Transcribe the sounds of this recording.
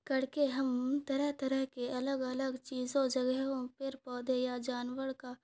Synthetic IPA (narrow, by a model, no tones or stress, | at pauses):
kɐɽ̤keɦɐmt̪ɐɾəɦt̪ɐɾəɦkeʔɐləɡɐləɡt͡ʃiːzõd͡ʒɐɡɦɦõpʰɪɾpɔːd̪ʱejad͡ʒaːnwəɽka